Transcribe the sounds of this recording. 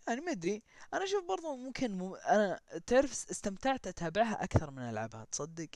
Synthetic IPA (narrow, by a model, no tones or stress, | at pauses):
jaʕnimaɪd̪ɾiʔanaʃuːfbɑɾˤðˤʊmʊmkʰɪnmʊʔanat̪ɪʕɾɪfɪst̪amt̪aʕt̪ʔat̪aːbɪʕɦaʔakθɑɾˤmɪnʔa̰lʕa̰bha̰t̪sˤɑd̪ːɪq